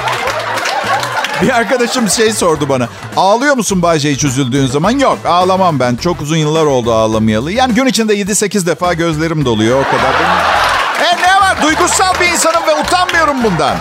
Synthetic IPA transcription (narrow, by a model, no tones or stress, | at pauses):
biaɾkad̪aʃɯmʃe̞jso̞ɾd̪ubana | aːlˠɯjo̞ɾmusunbaːd͡ʒejit͡ʃʰøzylʲd̪yːnzamanjokaːlˠamambænt͡ʃʰo̞kuzunjɯlˠːaɾo̞lˠd̪uaːlˠamɯjalˠɯjaːniɟynit͡ʃʰind̪ɛje̞d̪ise̞cizd̪efaːɟø̞zlʲe̞ɾimid̪o̞lˠujo̞oɾkʰad̪aɾbeniɛnɛvaɾd̪ujɡusalˠbiːns̬anɯmvɛut̪ʰanmɯjo̞ɾumbund̪a̰n